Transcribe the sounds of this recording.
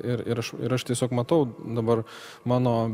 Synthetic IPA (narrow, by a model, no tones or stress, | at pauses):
ɪɾɪ̰ɾɐʃɪ̰ɾɐʃt̪ʲiɛsʲoːkmɐt̪ɐʊd̪ɐbɐr | mɑːnoː